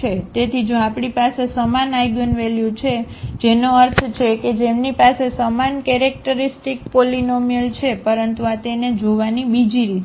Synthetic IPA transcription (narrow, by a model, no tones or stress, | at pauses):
et̪et̪ʰid͡ʒoapɳipasesəmanajɡənʋeljut͡ʃʰed͡ʒenoəɾt̪ʰt͡ʃʰeked͡ʒemnipasesəmankɛɾek̚ʈəɾisʈik̚polinomijəlt͡ʃʰepəɾənt̪uat̪ened͡ʒoʋanibid͡ʒiɾi